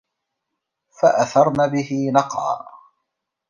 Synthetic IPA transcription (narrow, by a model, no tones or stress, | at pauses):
faʔaθɑɾˤnabɪɦɪnɑqʕɑ̰ː